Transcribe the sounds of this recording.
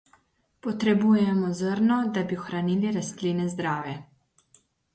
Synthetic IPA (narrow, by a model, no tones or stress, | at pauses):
pɔt̪ɾɛbuːjɛmɔzəɾnɔd̪abiɔxɾaniːliɾast̪liːnɛzd̪ɾaːwjɛ